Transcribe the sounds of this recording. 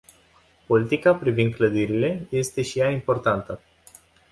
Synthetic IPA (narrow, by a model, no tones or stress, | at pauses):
po̞lit̪ikapɾivind̪̚kləd̪iɾile̞je̞st̪e̞ʃijaimpo̞rt̪ant̪ə